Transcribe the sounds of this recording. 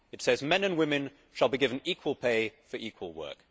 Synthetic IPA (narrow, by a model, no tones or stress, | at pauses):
ɨtsɛzmɛ̃nə̃nwɪ̃mɨ̃n | ʃəlˠbiɡɪvə̃niˑkʰwəlˠpʰeɪfə˞ʔiˑkʰwə̰lˠwɜ̰ˑk